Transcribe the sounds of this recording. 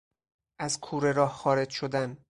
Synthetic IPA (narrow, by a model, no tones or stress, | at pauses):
ʔæzkʰuːɾe̞ɾɒːhxɒːɾe̞d͡ʒʃo̞d̪æn